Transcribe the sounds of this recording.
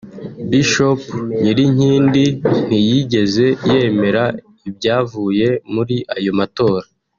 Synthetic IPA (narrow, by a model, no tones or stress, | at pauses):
biʃopɲiɾiɲ̥iːndin̥ijiɟe̞ze̞je̞me̞ɾa | ibɟaːvuːje̞muɾiʔajo̞mato̞ːɾa